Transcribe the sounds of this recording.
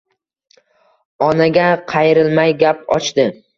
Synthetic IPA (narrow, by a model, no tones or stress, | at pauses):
ɒnaɡʲaqʰɑjɪɾɪlmajɡʲap̚ɒ̰t͡ʃd̪ɪ